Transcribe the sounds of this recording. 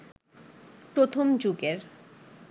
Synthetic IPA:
pɾot̪ʰomd͡ʑuɡeɾ

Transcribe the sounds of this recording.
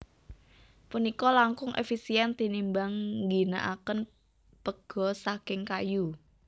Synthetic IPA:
punikɔlaŋkʊŋʔḛfisiɛnt̪inimbaŋŋɡina̰ʔakən | pəɡ̥ɔ̤sakɪŋkaju

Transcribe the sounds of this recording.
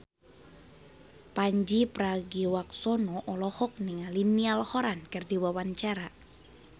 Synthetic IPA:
paɲd͡ʒipɾaɡiwak̚sɔnɔʔɔlɔhɔk̚niŋalinialhɔɾankərdiwawaɲt͡ʃaɾa

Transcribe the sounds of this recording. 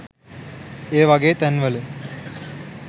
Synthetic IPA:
eːʋɐɡeːt̪ænʋələ

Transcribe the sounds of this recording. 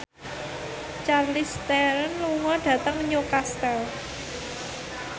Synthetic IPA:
t͡ʃarlist̪ɛɾənluŋɔɖ̥ä̤t̪əŋɲokast̪ɛl

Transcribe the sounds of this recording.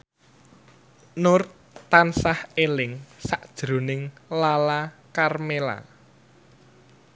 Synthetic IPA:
nʊr | t̪ansahelɪŋsaʔd̥ʒ̥ɾṳnɪŋlalakarmela̰

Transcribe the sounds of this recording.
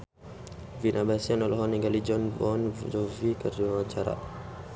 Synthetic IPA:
vinʔabasianɔlɔɦɔniɡalid͡ʒɔnbɔnd͡ʒɔvikərd͡ʒiwaɲt͡ʃaɾa̰

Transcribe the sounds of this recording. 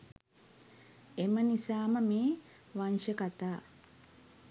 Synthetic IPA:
emənisaːməmeː | ʋanʃəkat̪aː

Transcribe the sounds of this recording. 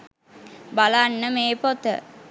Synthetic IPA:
balanːəmeːpot̪ə̰

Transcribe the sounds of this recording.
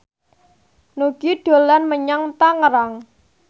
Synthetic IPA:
nuɡ̥iɖ̪̥o̤lanməɲaŋt̪aŋəɾaŋ

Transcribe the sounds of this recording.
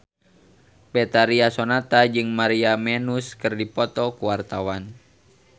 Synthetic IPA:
pɛt̪aɾiasonat̪ad͡ʒɨŋmaɾiamɛnuskɨrdipɔt̪ɔkuwart̪awan

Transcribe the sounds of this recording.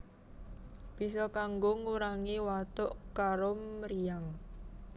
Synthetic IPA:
b̥i̤sɔkaŋɡoŋuɾaŋiwat̪ʊʔkaɾomɾijaŋ

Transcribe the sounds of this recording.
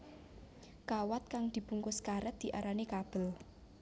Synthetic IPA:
kawat̪̚kaŋd̪̥i̤b̥uŋkoskaɾət̪̚d̪̥i̤ʔaɾanekab̥ə̤l

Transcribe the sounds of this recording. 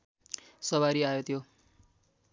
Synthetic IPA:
sʌβaɾiajot̪ʰjo

